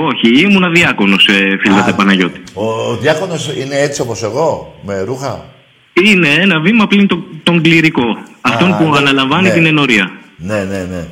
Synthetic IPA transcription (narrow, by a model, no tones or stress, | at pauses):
o̞çiimunɐðiɐko̞no̞sefilɐt̪epɐnɐʝo̞t̪i̥oːðjɐkonosine̞et͡siopose̞ɣo̞meɾuxɐ̰ | ine̞enɐvimɐplint̪ot̪o̞ŋɡliɾiko̞ɐft̪o̞npuɐnɐlɐɱvɐnit̪ine̞no̞ɾiɐnenene